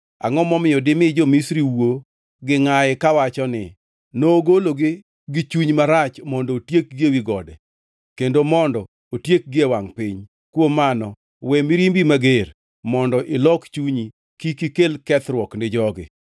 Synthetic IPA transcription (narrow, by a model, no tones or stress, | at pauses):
a̰ŋɔmɔmɪjɔdɪmɪd͡ʒɔmisɾiwo | ɡɪŋajɛkawat͡ʃɔnɪ̰ | noːɡoloɡɪ | ɡɪt͡ʃuɲmaɾat͡ʃmɔndɔːtjek̚ɡewiɡɔdɛ | kendomɔndɔ | otjek̚ɡɪewaŋpɪɲ | kwomanɔ | wɛmiɾimbimaɡeɾ | mɔndɔʔɪlɔkt͡ʃuɲi | kikikelkɛt̪ɾwɔknɪd͡ʒɔɡɪ̰